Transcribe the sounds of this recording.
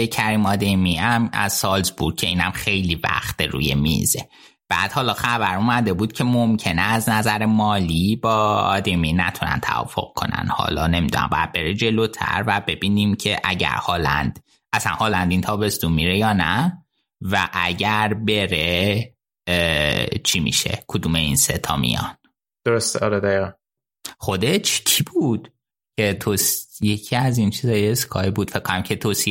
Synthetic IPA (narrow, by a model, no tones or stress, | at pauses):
ecʰæɾiːmɒd̪emiæmæ̰z̥sɒːlzbuɾ̚cʰe̞iːnæmxe̞jlivæ̰xt̪eɾṵːje̞mḭze | b̥æːd̪̥hɒːlɒːxæbæɾumæd̪e̞buːd̪̚cʰe̞momcʰe̞neæznæzæɾemɒːlibɒːɒ̰d̪eminæt̪ʰunæ̰nt̪ʰæ̰vɒ̰ːfo̞̰ɣ̥̚kʰo̞næ̰nhɒ̰ːlɒːne̞mid̪ṵnæ̰mbɒ̰jæ̰d̪̚be̞ɾed͡ʒe̞loːt̪ʰæ̰ɾvæbe̞biːnimcʰe̞ʔæ̰ɟæ̰ɾhɒːlæ̰nd̪̥ | ʔæsænhɒːlænd̪int̪ʰɒːbe̞st̪unmːiɾejɒːnæ | væʔæɟæɾbe̞ɾe | t͡ʃʰimḭʃḛkʰod̪uːmeinset̪ʰɒːmḭjɒ̰n | d̪̥oɾost̪eʔɒːɾed̪æiɣæn | χo̞d̪et͡ʃʰcʰibud̪̥ | cʰe̞t̪ʰoːsje̞cʰiæzint͡ʃʰiːzɒːjeskʰɒːibuːd̪̥fekʰːonæmcʰe̞t̪ʰoːsi